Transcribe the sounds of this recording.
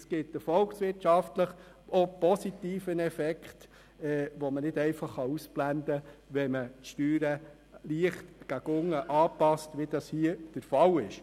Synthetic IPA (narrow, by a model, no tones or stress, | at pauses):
sɡ̥ɪt̪ɛfɔlksʋɪrtʃɑftləχ | ʔopɔsit̪iːfənɛfɛkχt̪ | ɛːʋɔmənɪd̪ɛɪfɑχːɑusb̥lænd̪əʋɛmətʃtyːɾə | liəχtɡ̥æɡʊŋːəʔɑːpɑstʋid̥̪ɑshiəd̥əɾfɑlɪʃ